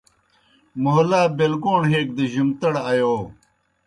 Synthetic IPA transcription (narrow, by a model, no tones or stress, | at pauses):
moɦlaːbelɡoːɳɦeːk̚d̪eʑimt̪ɐɽajoː